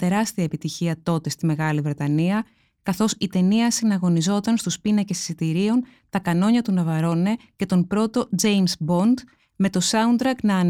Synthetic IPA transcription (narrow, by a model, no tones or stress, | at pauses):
t̪e̞ɾɐst̪iɐepit̪içiɐt̪o̞t̪e̞st̪ime̞ɣɐlivɾe̞t̪ɐniɐ | kɐθo̞sit̪e̞niɐsinɐɣo̞nizo̞t̪ɐnst̪uspinɐce̞ssit̪iɾio̞n | t̪ɐkɐno̞ɲɐt̪unɐvɐɾo̞ne̞ce̞t̪o̞npɾo̞t̪o̞d͡ze̞jmsbo̞nd̪ | me̞t̪o̞sɐund̪ɾɐknɐːn